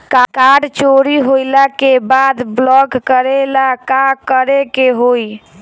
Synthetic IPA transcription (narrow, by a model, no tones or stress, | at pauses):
kakaɖt͡ʃoɾiɦojlakebad̪blɔɡkəɾelakakəɾekeɦoj